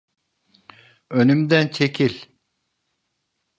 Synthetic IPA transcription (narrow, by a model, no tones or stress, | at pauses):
ønymd̪ænt͡ʃʰecʰilʲ